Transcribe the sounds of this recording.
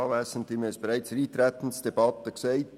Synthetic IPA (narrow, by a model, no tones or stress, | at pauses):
ɑːvæːsən̩tʋiːməɛsb̥eɾæɪt͡sɾiːt̪ɾɛt̪ən̩sd̥ebɑt̪əkseɪt